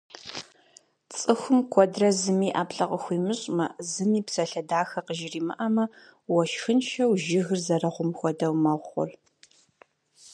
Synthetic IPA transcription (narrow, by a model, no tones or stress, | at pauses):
t͡sʼɨxʷʊmkʷʰɔdrɐzɨmiːʔaːpɬɐqʼəxʷiːmɨɕʼmɐzɨmiːpsɐɬɐdaːxɐqəʒɪriːmɨ̰ʔɐmɐ | wɔʃxɨnʃɐwʒɪɣɨrzɐrɐʁʷʊmxʷɔdɐwmɐʁʷχʷɔ̰r